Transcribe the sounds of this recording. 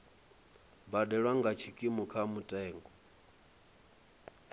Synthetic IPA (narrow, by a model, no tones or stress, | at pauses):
badɛɺwaŋɡat͡ʃʰikʼimukʰamutʼɛːŋɡɔ